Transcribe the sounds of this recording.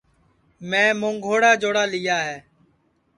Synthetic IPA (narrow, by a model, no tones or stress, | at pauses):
mɛ̃ːmõːŋɡʱoːɽaːd͡ʒoːɽaːlɪjaːɦɛː